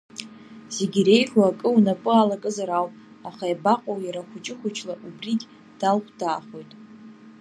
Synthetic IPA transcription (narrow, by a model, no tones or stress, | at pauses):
z̥e̞ɡʲire̞jħʷuakʼɨwnapʼɨalakʼɨzaɾawpʼ | aχajbaqʼowjaɾaχʷʊt͡ʃʼɪχʷʊt͡ʃʰlaʔubrikʲʼ | d̥alχʷʰdaːχo̞jtʼ